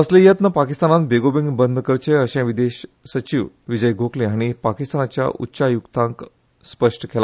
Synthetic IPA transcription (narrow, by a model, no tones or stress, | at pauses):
əslejət̪nəpakist̪anat̪beɡobĩŋɡbənd̪ʱkəɾt͡ɕeəɕɛ̃ʋid̪eɕsət͡ɕiʋ | ʋid͡ʑəjɡʱokleaɽ̃ipakist̪anat͡ɕja̰ʔṵtːɕajukt̪ãŋk | spəʂʈəkʰela